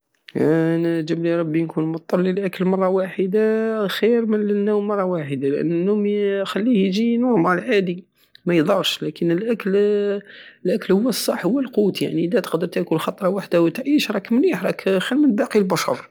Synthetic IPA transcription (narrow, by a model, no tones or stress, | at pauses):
nd͡ʒəbliɾˤɑbːinkunmʊt̪ˤːɑlːilʔækəlmɑrˤːɑwaħəd̪axiɾmənnːumɑrˤːɑwaħəd̪alʔə̰nːnːumxælːihjʒinuʕmaʕəlʕad̪i | mæjd̪ˤɑɾˤʃlækənəlʔækl | əlʔækəlhʊwːæsˤːɑħːhʊwːəlqut̪ja̰ʕnid̪æt̪ə̥qd̪əɾt̪ækulxɑt̪ˤɾˤɑwaħd̪awət̪ʕiʃɾˤɑkːmliħɾˤɑkxælmənbɑqilbɑʃɑ̰ɾˤ